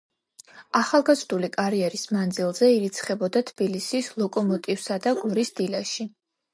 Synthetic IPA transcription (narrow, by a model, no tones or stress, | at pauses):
aχalˠɡazɾd̪ulikʼaɾiɛɾismand̪zilˠzɛiɾit̪sʰχɛbɔd̪at̪ʰb̥ilisislˠɔkʼɔmɔt̪ʼivsad̪aɡuɾisd̪ilaʃi